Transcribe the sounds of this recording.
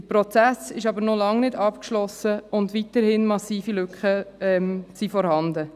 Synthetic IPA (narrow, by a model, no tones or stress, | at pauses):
əpɾɔt͡sæsɪʃɑbəɾnɔlɑŋnɪdɑpkʃlɔsəʊndʋitəɾhɪnmɑsiːfilʏkχəɛmsiːfɔɾhɑndə